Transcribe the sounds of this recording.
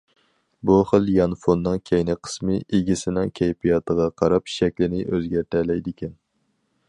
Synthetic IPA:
buχəlˠjɑnfonːɨŋkʲʰɛjnɪqʰə̥smɨʔeɡʲisɪnɪŋkʲʰɛjpʰijɑt̪ʰəʁɑqʰɑɾɑpʃɛkʲlɪnɪʔøzɡʲæɾt̪ʰɛlɛjd̪ɪkʲɛn

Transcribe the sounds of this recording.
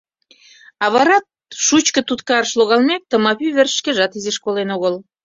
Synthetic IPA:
ɑβɑɾɑt̪̚ʃut͡ɕkə̆t̪ut̪kɑɾəʃloɣɑlmek̚t̪ə̆mɑpyβerʃkeʒɑt̪izeʃkolenoɣəl

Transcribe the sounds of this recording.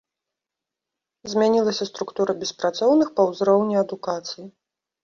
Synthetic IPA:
zʲmʲanʲilˠɐsʲɐst̪ɾukt̪uɾɐbʲɛspɾat̪sɔwnɨxpɐwzɾɔwnʲiɐd̪ukat̪sɨji

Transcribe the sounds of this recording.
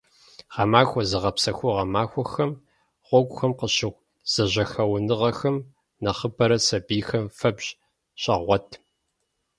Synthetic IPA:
ʁɐmaːxʷɔzɨʁɐpsɐxʷʊʁɐmaːxʷɔxɐm | ʁʷɔɡʷʼʊxɐmqəɕɪʁʷ | z̥ɐʑɐxɐwnɨʁɐxɐm | nɐχəbɐɾɐsɐbiːxɐmfɐbɕ | ɕʼɐʁʷɔtʰ

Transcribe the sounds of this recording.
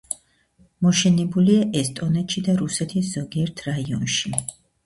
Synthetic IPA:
mɔʃɛnɛbuliaʔɛst̪ʼɔnɛt̪ʃid̪aɾusɛt̪ʰisz̥ɔɡiɛɾt̪ʰɾaiɔnʃi

